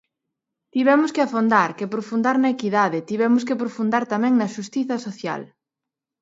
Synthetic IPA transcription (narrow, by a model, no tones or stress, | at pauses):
t̪iβɛmʊskɪafond̪aɾkepɾofund̪aɾnɐekiðaðɪt̪iβɛmʊs̬kɪpɾofund̪aɾt̪amɛ̃ŋnɐʃust̪iθɐsoθja̰l